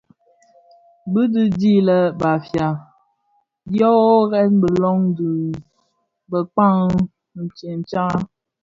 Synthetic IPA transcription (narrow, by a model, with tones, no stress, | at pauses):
bi˦di˦di˦lə˨ba˨fja˨ | djɔ˦ɣɛ˦tbə˨lɔ˦ŋdu˨ | bə˨k͡pa˦˨ŋ˨ | n̩˨t͡ʃe˨n˨t͡ʃa˦